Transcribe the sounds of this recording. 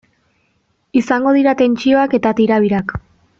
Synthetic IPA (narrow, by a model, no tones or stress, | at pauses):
isaŋɡo̞ðiɾat̪e̞nt͡ʃio̞ake̞t̪at̪iɾaβiɾak